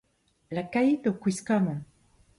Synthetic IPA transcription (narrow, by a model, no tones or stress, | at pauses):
lakajd̪okwiskanɔ̃